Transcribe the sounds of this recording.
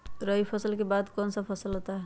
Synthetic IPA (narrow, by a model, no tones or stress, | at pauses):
ɾəɦipʰəsəlkebad̪kɔnsəpʰəsəlɦot̪aɦ